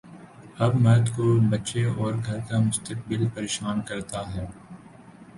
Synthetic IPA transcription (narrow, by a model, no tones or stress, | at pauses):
ɐbmɐɾd̪kobɐtːʃeɔːɾɡʱɐɾkamʊst̪ək̚bɪlpɐɾeːʃaːnkɐɾt̪aɦɛː